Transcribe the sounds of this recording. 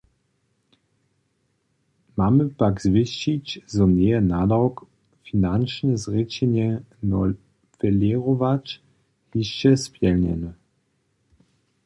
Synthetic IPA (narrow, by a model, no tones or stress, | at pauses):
maməpakzvɪɕit͡ɕzɔneənadawk | finanʃnəzʁɪt͡ɕɛnjɛnɔl | fɛleʁovat͡ʃ | hiɕt͡ɕɛspjɛlnɛ̰nə